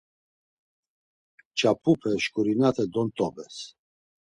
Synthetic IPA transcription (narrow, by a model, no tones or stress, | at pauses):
t͡ʃʰʼapʰupʰɛʃkʼuɾinat̪ʰɛd̪ɔnt̪ʼɔbɛs